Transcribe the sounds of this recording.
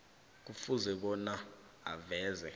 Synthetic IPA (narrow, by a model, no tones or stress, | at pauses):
k̬ufuzɛɓ̬ɔna | a̰vɛːzɛ